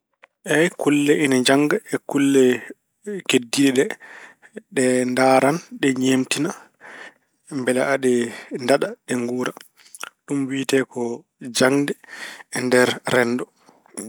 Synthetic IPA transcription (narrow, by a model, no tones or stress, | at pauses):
ʔɛjkulːɛʔinad͡ʒaŋɡaɛkulːɛ | kedːiɗɛɗɛ | ɗɛndaːɾanɗɛɲemtina | mbɛla̰ʔaɗɛndaɗaɗɛŋɡuːɾa | ɗumwiːtɛkɔ | d͡ʒaŋdɛːndɛɾɾɛndɔ